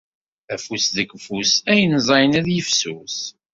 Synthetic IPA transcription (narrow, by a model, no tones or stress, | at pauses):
æfusðəɡfusæjənzˤɑjnæðjəfsus